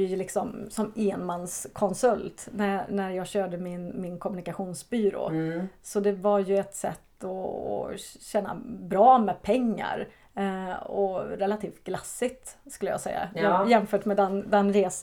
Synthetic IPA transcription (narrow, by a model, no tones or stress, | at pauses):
ɛjlɪksɔmsɔmeːnmanskʰɔnsɵlt̪nænæɾjɑːɡɕøːɖəmɪnmɪnkʰɔmɵnɪkaɧuːnsbyːɾo̰ːsɔd̪ɛvaɾjɵɛt̪sɛ̰t̪ːɔ̰ː | ɕɛːnːa̰bɾɑːmɛpʰɛŋːa̰ɾ | ɔɾɛlat̪ʰiːft̪̚ɡ̥lasːɪt̪skɵlːəjɑ̰ːɡsɛ̰jːa̰jɑjɛmfœːʈmɛd̪ɛnd̪ɛnɾeːs